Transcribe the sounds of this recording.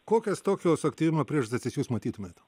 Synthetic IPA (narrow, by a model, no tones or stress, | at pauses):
koːkʲɛst̪oːkʲoːsɐkt̪ʲiːʋʲɪmɐpʲɾʲiɛʃd̪ɐtʲsʲɪsʲjuːsmɐt̪ʲiːt̪ʊmʲeːt̪